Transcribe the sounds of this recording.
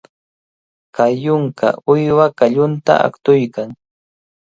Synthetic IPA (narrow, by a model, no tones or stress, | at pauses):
kajʊŋka̰ʊjwakaʎʊnt̪a̰ʔa̰kt̪ʊjkaŋ